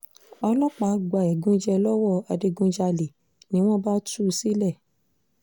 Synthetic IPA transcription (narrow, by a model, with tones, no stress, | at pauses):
ɔ˧lɔ˦k͡pa˨˦ɡ͡ba˨ɛ˨ɡũ˨˦d͡ʒɛ˧lɔ˦wɔ˦˨a˧de˧ɡũ˧˦d͡ʒa˧li˨ | nĩ˦w̃ɔ̃˦ba˦tu˦˨si˦lɛ˦˨